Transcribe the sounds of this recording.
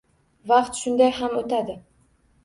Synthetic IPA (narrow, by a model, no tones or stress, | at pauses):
vɑqt̪ʃʊnd̪ajɦamot̪ʰad̪ɪ